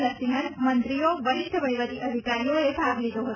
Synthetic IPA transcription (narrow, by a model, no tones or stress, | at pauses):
ləsiɦəɾmənt̪ɾioʋəɾɪt̪ʰːəʋəjʋət̪iʔəd̪ʱikaɾijoebʱaɡlid̪oɦə